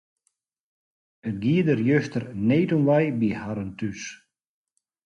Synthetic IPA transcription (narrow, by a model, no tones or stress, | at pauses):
ənɡiːəd̪əɾjøst̪əɾneːtunʋajbihaɾənt̪ys